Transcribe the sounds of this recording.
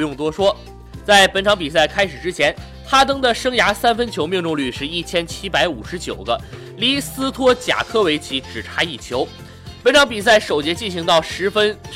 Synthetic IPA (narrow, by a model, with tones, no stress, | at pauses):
jʊ˥˩ŋt̪wɔ˥ʂwɔ˥ | t͡sa˥˩ɪpə˧˥nʈ͡ʂʰɑ˧˥ŋpi˨˩s̬a˥˩ɪkʰa˥ɪʂɻ̩˨˩ʈ͡ʂɻ̩˥t͡ɕʰjɛ˧˥n | xa˥t̪̬ɤ˥ŋd̪ə˨ʂɤ˥ŋja˧˥sa˥nfə˥nt͡ɕʰjo˧˥ʊmji˥˧ŋʈ͡ʂʊ˥˧ŋly˥˧ʂɻ̩˥˧i˥˩t͡ɕʰjɛ˥nt͡ɕʰi˥pa˧˥ɪṵ˨˩ʂɻ̩˧˥t͡ɕjo˨˩ʊɡə̰˦ | li˥sɹ̩˥t̪ʰwɔ˥t͡ɕja̰˨˩kʰɤ˥˩we˧˥ɪt͡ɕʰi˧˥ʈ͡ʂɻ̩˨˩ʈ͡ʂʰa˥i˥˩t͡ɕʰjo˧˥ʊ | pə˧˥nʈ͡ʂʰɑ˧˥ŋpi˨˩s̬a˥˩ɪʂo˨˩ʊt͡ɕjɛ˧˥t͡ɕi˥˩nɕi˧˥ŋt̪ɑ˥˩ʊʂɻ̩˧˥fə˥n